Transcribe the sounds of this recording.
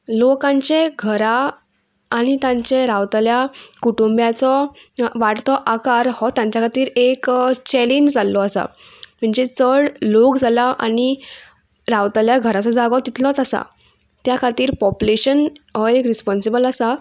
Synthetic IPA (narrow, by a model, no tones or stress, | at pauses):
lokãɲt͡ɕeɡʱəɾaː | ɽ̃it̪ãɲt͡ɕeɾawt̪aljakuʈumbjat͡sɔʋaʈt̪ɔʔakaɾhɔt̪jãɲt͡ɕjakʰat̪iːɾekt͡ɕɛlind͡zalːɔasa̰m̤əɳd͡zet͡səɭlokd͡zʱalaʔa̰ɽ̃i | ɾawt̪aljaɡʱəɾat͡sɔd͡zaɡɔt̪it̪ʰlɔɦɔt̪asa̰ | t̪jakʰat̪iːɾpɔpuleɕənɦekɾispɔnsibəlasa